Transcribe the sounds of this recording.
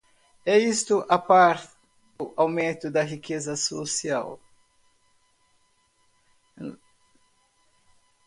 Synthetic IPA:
ɛist̪ʊʔapaɾt̪ɪ | d̪ʊʔawmẽt̪ʊd̪ɐɦikezɐsosia̰w

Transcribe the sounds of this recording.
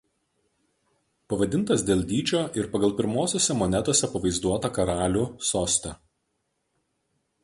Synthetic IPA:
pɐʋɐd̪ʲɪnt̪ɐsd̪ʲeːlʲd̪ʲiːt͡ʃʲoːʔɪɾpɐɡɐlˠˑpʲɪɾmoːsʲoːsʲɛmɔnʲɛt̪oɔsʲɛpɐʋɐɪzd̪uɔt̪ɐkɐɾɑːlʲuːsoːsʲt̪ʲɛ

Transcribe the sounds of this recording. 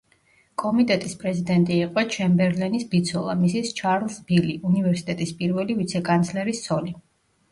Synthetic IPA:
kʼɔmit̪ʼɛt̪ʼispʼɾɛzid̪ɛnt̪ʼiːqʼɔt͡ʃʰɛmbɛɾlɛnisbit̪sʰɔlˠa̰misist͡ʃʰaɾlˠsbiliʔunivɛɾsi̥t̪ʼɛt̪ʼispʼiɾvɛlivit̪sʰɛkʼant̪sʰlɛɾisːɔli

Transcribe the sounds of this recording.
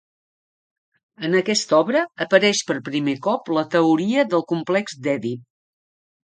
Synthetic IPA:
ənəkɛst̪ɔβɾəːpəɾɛʃpəɾpɾimekɔplət̪əuɾiəðəlˠkumplɛkzd̪ɛði

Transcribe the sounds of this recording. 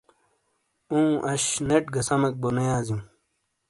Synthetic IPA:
ũːʔɐɕneʈɡɐsɐmɐk̚bonejaːzĩ

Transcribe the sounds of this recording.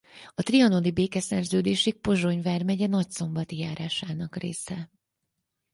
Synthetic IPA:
ɒt̪riɒnolibeːkɛsɛrzøːd̪eːʃik̚po̞ʒo̞ɲvaːrmɛɟɛnɒcso̞mbɒt̪ijaːɾaːʃaːnɒkrḛːsɛ

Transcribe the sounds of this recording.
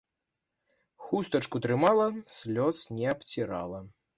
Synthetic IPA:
xust̪ɐt͡ʂkut̪ɾɨmalˠɐsʲlʲɔsnʲɛɐpt͡sʲiɾa̰lˠɐ

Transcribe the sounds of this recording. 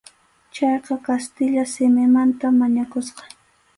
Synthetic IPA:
t͡ʃɑjqɑkast̪ɪʎasɪmɪmant̪amaɲakʊsqɑ̥

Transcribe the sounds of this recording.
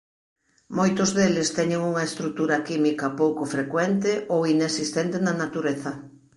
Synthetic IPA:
mojt̪ʊzðelɪst̪ɛɲeŋuŋɐest̪ɾuk̚t̪uɾɐkimikɐpowkʊfɾekwɛnt̪ɪʔowinesist̪ent̪enɐnat̪uɾeθɐ

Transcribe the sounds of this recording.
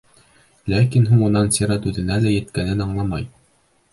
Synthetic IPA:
lækinɦuɴunɑnsʲiɾɑt̪ʉðɘ̆nælæjɘ̆t̪kænɘnɑɴlˠɑmɑj

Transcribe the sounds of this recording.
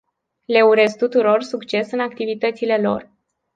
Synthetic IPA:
le̞uɾe̞z̚t̪ut̪uɾo̞rsukt͡ʃe̞sɨnakt̪ivit̪ət̪sile̞lo̞̰r

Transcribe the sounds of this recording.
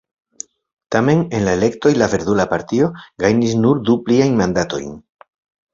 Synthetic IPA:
tame̞ne̞nlaele̞kto̞jlave̞ɾd̪ulapaɾtio̞ɡajnis̬nuɾd̪upliajnmandato̞̰jn

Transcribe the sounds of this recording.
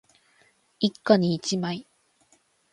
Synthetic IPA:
ikːaɲiːt͡ɕimai

